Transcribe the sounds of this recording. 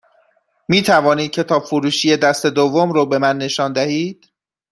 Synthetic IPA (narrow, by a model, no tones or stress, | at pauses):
miːt̪ʰævɒːniːd̪̚cʰe̞t̪ʰɒːbfuɾuːʃiːje̞d̪æst̪e̞d̪ovːomɾɔːbe̞mænːe̞ʃɒːnd̪æhiːd̪̥